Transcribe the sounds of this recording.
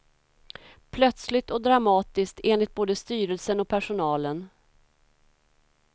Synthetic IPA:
pʰlœt̪slɪt̪ɔd̪ɾamɑːt̪ɪskt̪eːnlɪt̪̚boːd̪əst̪yːɾəlsənɔk̚pʰæʂʊnɑːlən

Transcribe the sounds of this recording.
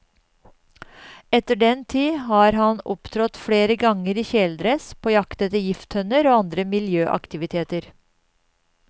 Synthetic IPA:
ɛt̪əɖɛnt̪ʰiːhɑːɾɦɑnɔpt̪ʰɾɔt̪fɽeːɾəɡɑŋəɾiːçɛːld̪ɾəspʰoːjɑkt̪ət̪ɪjɪft̪hœnəɾoːɑnd̪ɾəmɪljøːʔɑ̰kt̪ɪʋɪt̪ʰeːt̪əɾ

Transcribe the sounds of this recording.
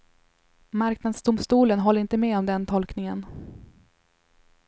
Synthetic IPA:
maɾknad̪sd̪ʊmst̪uːlənɦɔlːəɪnt̪əmeːɔmd̪ɛnt̪ʰɔlknɪŋən

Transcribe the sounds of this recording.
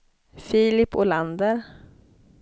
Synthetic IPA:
fiːlɪpːɔland̪əɾ

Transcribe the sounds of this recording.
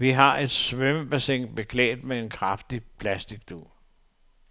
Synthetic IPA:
ʋiɦɑ̈e̝d̥sʋøməb̥æseŋ̰b̥e̝kʰlɛ̰ːd̥mee̝nkʰʁɑfd̥ipʰlæsd̥iɡ̥̚d̥uː

